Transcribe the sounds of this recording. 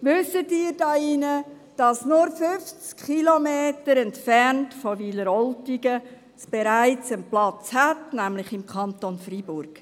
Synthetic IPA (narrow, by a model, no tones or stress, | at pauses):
ʋʏsətiːɾd̥ɑːɪnə | d̥ɑsnʊɾfʏft͡skχilomeːtəɾɛntfɛrntfɔʋiləɾɔltiɡə | sb̥eɾaɪt͡sənplɑt͡shætnæmlɪχɪmkʰɑntonfribʊrɡ̥